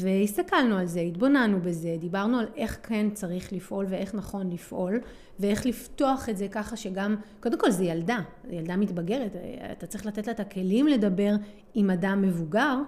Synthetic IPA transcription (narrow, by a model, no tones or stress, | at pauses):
ve̞ist̪akalnualzeit̪bo̞nanube̞ze̞d̪ibaʁnualʔe̞χkʰe̞nt͡saʁiχlifʔo̞lvee̞χnaχo̞nlifʔo̞l | vee̞χlifto̞aχe̞tzekaχaʃe̞ɡamko̞d̪e̞mko̞lzejalda | jald̪amitbaɡe̞ʁetːt̪att͡sʁiχlat̪e̞tlaet̪ake̞limle̞dabe̞ʁ | imadamːe̞vuɡaʁ